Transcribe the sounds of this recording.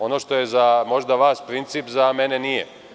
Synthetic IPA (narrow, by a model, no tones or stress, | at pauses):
o̞no̞ʃt̪o̞je̞zamo̞ʒd̪aʋaːspɾint̪siːpzame̞ne̞nije